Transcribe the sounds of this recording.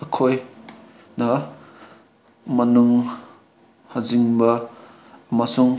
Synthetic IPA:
ɐkʰoj | nɐ | mɐnuŋ | hɐziŋbɐ | mɐsuŋ

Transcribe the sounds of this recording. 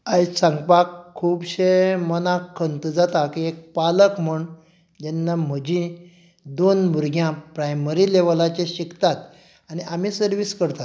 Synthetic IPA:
ajsãŋɡpakʰːuːbɕemənãkʰənt̪d͡zat̪akiek̚paləkm̤uɳ | d͡ʑɛnːam̤əd͡ʑĩ | d̪onmuɾɡʱjãpɾajməɾileʋəlat͡ɕeɕikʰt̪at̪ | aniʔamiːsəɾʋiskəɾt̪a

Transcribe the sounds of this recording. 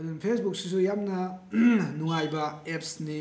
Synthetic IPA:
ɐdunpʰesbuk̚sis̬ujamnɐ | nuŋajbɐepsni

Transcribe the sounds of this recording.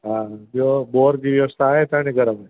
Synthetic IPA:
ɦãːd͡ʒoːboːɾkiʋjɐʋəst̪ʰaɦɛt̪aneɡɐɾəmɦɛː

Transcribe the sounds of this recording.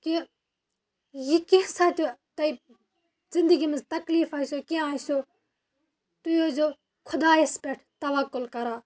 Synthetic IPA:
ki | jikẽsaːt̪ot̪ɐi | zɪnd̪əɡimẽd͡zt̪ɐkliːfɐsokiaːso | t̪ujod͡ʒo | kʰʊd̪aːespeʈʰt̪ɐʋɐkːʊlkɐɾaː

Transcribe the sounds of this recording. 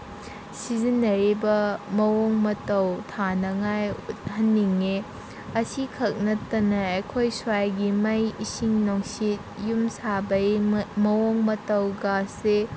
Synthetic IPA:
sizinːɐɾibɐmɐwoŋmɐtɐwtʰanɐŋajut̚hɐnːiŋːe | ɐsikʰɐk̚nɐtɐnɐɐjkʰojswajɡimɐjisiŋnoŋsit̚jumsabɐjmɐwoŋmɐtɐwɡase

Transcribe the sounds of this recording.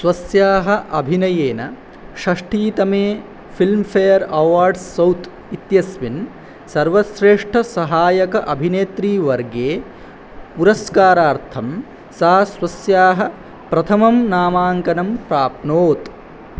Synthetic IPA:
sʋɐsjaːɦɐ̆ʔɐbʱinɐjeːnɐ | ʃɐʂʈiːt̪ɐmeː | fʰilmfeːjɐɾɐʋaːɾɖsːɐwt̪ | it̪jɐsʋin | sɐɾʋɐsɾeːʂʈʰɐsɐɦaːjɐkɐʔɐbʱineːt̪ɾiːʋɐɾɡeː | puɾɐskaːɾaːɾt̪ʰɐm | sɐːɐsʋɐsjaːɦɐ̆ | pɾɐt̪ʰɐmɐmnaːmaːŋkɐnɐmpɾaːp̚noːt̪

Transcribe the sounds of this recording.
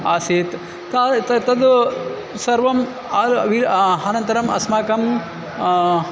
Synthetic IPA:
aːseːt̪ | t̪at̪ɐt̪ɐd̪ | sɐɾʋɐm | aːlʋiɾɦɐnɐnt̪ɐɾɐmɐ̰smaːkɐm

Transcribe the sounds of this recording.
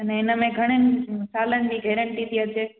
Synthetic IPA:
ɐnɛɪnəmẽɡʱɐɽ̃enɪsaːlənɪd͡ʑiːɡʱeːɾəɳʈit̪iət͡ɕeː

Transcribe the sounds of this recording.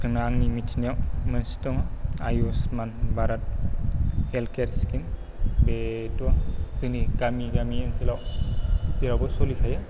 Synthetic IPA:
kʰɯnaŋnimit͡ʃʰniawmənstɔŋaa̰josmanbaɾat̚ | elkeɾskin | betuazɯniɡamiɡamiensilaw | zilawbɔsolikʰaja

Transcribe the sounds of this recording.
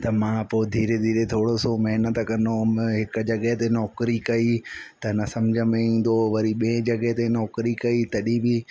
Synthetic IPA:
t̪ɐmãːpoɪd̪ʱiːɾed̪ʱiːɾet̪ʰoːɽosomɐɦɪnət̪kɐ̃nd̪oɦɪkd͡ʑɐɠɐɦt̪enɔːkɾikɐit̪ɐnɐsɐmd͡ʑʱəmĩːn̆d̪oʋɐɾiɓiẽd͡ʑɐɡɐɦt̪enɔːkɾikɐit̪ɐɗibɪ

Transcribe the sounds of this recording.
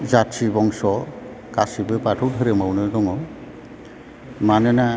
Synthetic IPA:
zatsibɔŋsɔ | kasibɯpatʰɔwdʱɯɾɛmawnɯdɔŋɔ | manɛna

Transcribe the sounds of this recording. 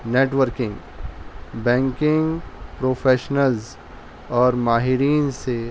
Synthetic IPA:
neːʈʋəɾkɪ̃ŋɡ | bɛ̃ːŋkɪ̃ŋɡpɾoːfʰeːʃnəlz | ɔːɾmaːɦɪɾiːnse

